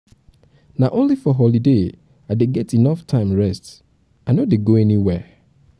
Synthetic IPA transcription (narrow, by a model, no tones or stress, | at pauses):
naʔõnlifɔɦɔlide | aɪdeɡɛtinɔftʰãɪ̃mɹɛst | aɪnodeɡoɛniwɛ